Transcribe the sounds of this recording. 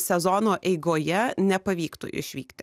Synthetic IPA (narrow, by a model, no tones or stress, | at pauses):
sʲɛzɔːnoːʔɛɪɡoːjɛnʲɛpɐʋʲiːkt̪ṵʔɪ̰ʃʲʋʲiːkt̪ʲɪ